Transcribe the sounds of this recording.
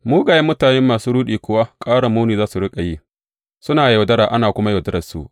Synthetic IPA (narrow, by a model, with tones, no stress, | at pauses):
muː˦ɡa˨jmːʊ˦taː˨nɛ˦mːaː˨suː˦ɽuː˦ɗiː˨kʷʊ˦wa˦kʼaː˦ɽa˨muː˦niː˨zaː˦su˨ɽɪ˦kʼa˨ji˦ | sʊ˦naː˨jɐ˨dɐ˦ɽaː˨ʔa˦naː˨kʷʊ˦ma˦jɐ˨dɐ˦ɾɐ˨sṵ˨ʔ